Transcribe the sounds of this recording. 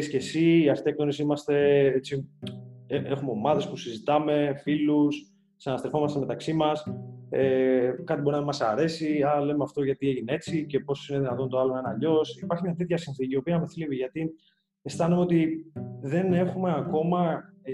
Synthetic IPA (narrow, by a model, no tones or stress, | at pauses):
isce̞siːɐft̪ek̚t̪onisimɐst̪e̞et͡si | ee̞xumeo̞mɐðe̞spusizit̪ɐme̞filus | sɐnɐst̪ɾefo̞mɐst̪eme̞t̪ɐksimɐsekɐt̪ibo̞ɾinɐmɐsɐɾe̞siɐle̞meɐft̪o̞ʝɐt̪ie̞ʝinee̞t͡sice̞po̞sine̞ðinɐt̪o̞nt̪oɐlonɐnɐʎo̞sipɐɾçimɲɐt̪e̞t̪çɐsinθiciopiɐmeθliviʝɐt̪i | est̪ɐnumeo̞t̪iðe̞ne̞xume̞ako̞mɐ